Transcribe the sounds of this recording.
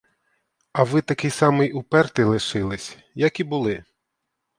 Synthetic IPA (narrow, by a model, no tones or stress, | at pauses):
ɐʋɪt̪ɐkɪjsɑmɪjupɛrt̪ɪlˠɪʃɪlˠɪsʲ | jɐkʲibʊlˠɪ